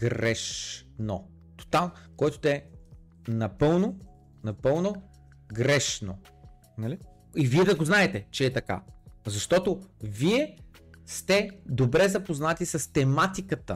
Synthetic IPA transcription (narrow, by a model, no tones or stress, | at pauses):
ɡɾɛʃno | t̪o̥t̪alˠnkɔjt̪od̪ɐɛ | nɐpɤlˠno | nɐpɤlˠno | ɡɾɛʃno | nɐli | iviɛd̪ɐɡoznaɛt̪ɛt͡ʃɛːt̪ɐka̰zɐʃt̪ɔt̪oviɛ | st̪ɛd̪obɾɛzɐpoznat̪isɐst̪ɛmat̪ikət̪ə̰